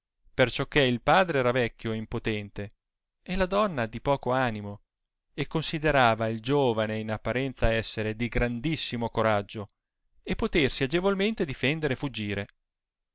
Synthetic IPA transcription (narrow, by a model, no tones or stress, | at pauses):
pert͡ʃɔkːeilpaːd̪ɾeɛːɾavɛkʲːjoimpot̪ɛnt̪e | elad̪ɔnːad̪ipɔːkoanimo | ekːonsid̪eɾaːvaild͡ʒoːvaneinapːaɾɛnt̪saɛsːeɾed̪iɡɾand̪isːimokoɾad͡ʒːo | epːot̪ersiad͡ʒevolment̪ed̪ifɛnd̪eɾefud͡ʒːiːɾe